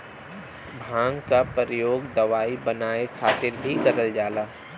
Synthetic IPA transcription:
bʱãːŋɡkapəɾəjoːɡd̪ɐʋaːibənaːekʰaːt̪ɪɾbʱikɐɾəld͡ʒaːlaː

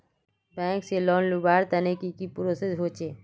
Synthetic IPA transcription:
bɛ̃ŋkselɔnlubaːɾt̪ənekikipɾosesɦot͡ʃʰe

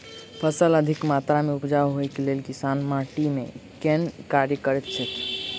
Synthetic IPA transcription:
pʰəsələd̪ʱikmat̪ɾameupd͡ʒawɦojkelelkisanmaʈimḛkenkaɾjəkəɾɛt̪t͡ʃʰət̪ʰ

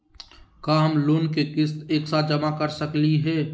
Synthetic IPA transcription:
kaːɦmloːnkekɪst̪eːksad͡ʒɐmakəɾsəkliɦɛː

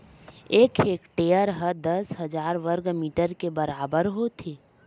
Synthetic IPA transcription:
eːkʰeːkʈeːjəɾɦəd̪əsɦəd͡ʒaːɾʋəɾɡmiːʈəɾkebəɾaːbəɾɦot̪ʰiː

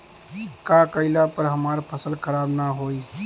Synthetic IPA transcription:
kakəɪlapəɾɦəmaːɾpʰəsəlkʰəɾaːbnaɦoːi

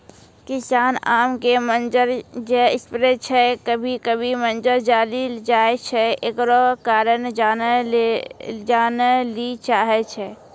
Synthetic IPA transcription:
kɪsaːnaːmkemənd͡ʒəɾd͡ʒɛɪspɾet͡ʃʰɛkəbʱikəbʱimənd͡ʒəɾd͡ʒaːlild͡ʒaːet͡ʃʰɛekɾokaːɾənd͡ʒaːn | d͡ʒaːnlit͡ʃaːɦet͡ʃʰɛ

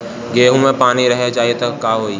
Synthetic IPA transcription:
ɡeːɦũmẽpaːniɾəɦet͡ʃaːiet̪ɐkːaːɦoːi

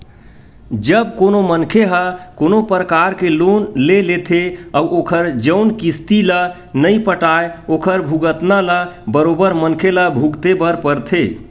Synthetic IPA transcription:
d͡ʒəbkonomənkʰeɦakonopɾəkaɾkelonlelet̪ʰeauʔokʰəɾd͡ʒəʊnkist̪ilə | nəipəʈaeokʰəɾbʱuɡət̪naləbəɾobəɾmənkʰelabʱuɡt̪ebəɾpəɾt̪ʰe

